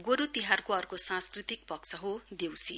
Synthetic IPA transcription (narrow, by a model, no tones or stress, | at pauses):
ɡoɾut̪iɦarkoʌrkosãnskrit̪ik̚pʌkt͡sʰʌɦod̪ewsi